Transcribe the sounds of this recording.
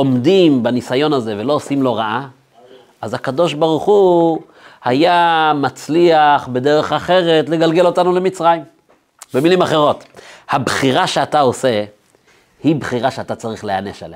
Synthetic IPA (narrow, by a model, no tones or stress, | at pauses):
o̞mdimbanisajo̞nhaze̞ve̞lo̞osimlo̞ʁaʔa | azhakado̞ʃbaʁuχu | hajamat͡sliaχbe̞de̞ʁe̞χaχe̞ʁe̞tle̞ɡalɡe̞lo̞tanulemit͡sʁajim | bemilimaχe̞ʁo̞thabχiʁaʃeatao̞se̞ | hibχiʁaʃeatat͡saʁiχleane̞ʃa̰le